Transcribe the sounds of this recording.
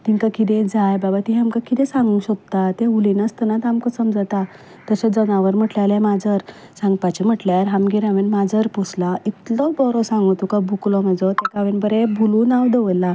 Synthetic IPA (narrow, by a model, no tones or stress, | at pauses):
t̪iŋkakit̪̬ẽd͡zajbabat̪iɦamkakit̪ẽsãŋɡũɕək̚t̪at̪eulinəst̪ənat̪amkɔsəmd͡zat̪a | t̪əsed͡zənaʋəɾm̤əʈljalemad͡zəɾ | sãŋɡpat͡ɕim̤əʈljaɾɦamɡiɾaʋenmad͡zəɾpɔslait̪lɔbɔɾɔsãŋɡut̪ukabʱuklɔm̤əd͡zɔt̪ekaʋenbəɾebʱulunawd̪eʋəjla